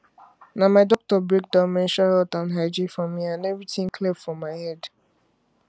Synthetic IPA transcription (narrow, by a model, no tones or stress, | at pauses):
namaɪdɔk̚tɔbɹek̚dãʊ̃mɛ̃nʃahɛltãnɦaɪd͡ʒifɹɔ̃mːiãnɛvɹitɪ̃ŋkʰlebfɹɔ̃mːaɪhɛd